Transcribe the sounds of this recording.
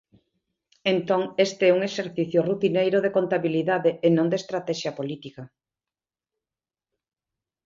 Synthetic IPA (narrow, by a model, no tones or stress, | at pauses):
ent̪oŋest̪eɛuŋeʃeɾθiθjʊrut̪inejɾoðekont̪aβiliðaðeːnõnd̪est̪ɾat̪ɛʃjɐpolit̪ikɐ